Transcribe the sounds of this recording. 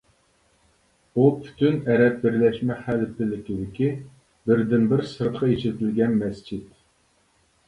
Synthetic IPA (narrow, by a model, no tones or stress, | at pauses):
upʰy̥t̪ʰynɛɾɛt̪̚bɪɾlɛʃmɛχælpʰɪlɪkʲid̪ɪkʲi | bɪɾd̪ɪnbɪɾsɨɾt̪qʰɑet͡ʃʰɪt̪ɪlɡʲɛnmɛst͡ʃʰit̪